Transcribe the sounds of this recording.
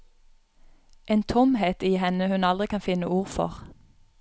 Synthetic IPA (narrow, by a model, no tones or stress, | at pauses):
ʔeːnt̪ʰʊmheːt̪iːhɛnəhʉnɑld̪ʁɪkʰɑnfɪnəʔuːʁfɔ̰ʁ